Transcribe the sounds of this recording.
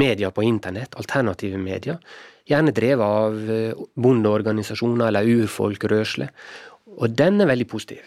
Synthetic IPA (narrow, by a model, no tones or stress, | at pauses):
meːd̪ɪɑpʰɔɪnt̪əɳɛt̪ʰːɑlt̪ʰæɳɑt̪ʰiːʋəmḛːd̪ɪɑjæːɳəd̪ɾeːʋəɑʋbʊnd̪əɔɾɡɑnɪsɑʂuːnɑɾɛlːəɾʉːɾfɔ̰lkɾøːʂləʔɔd̪ɛnːæɾʋɛld̪ɪpʰusɪ̥t̪ʰḭːʋ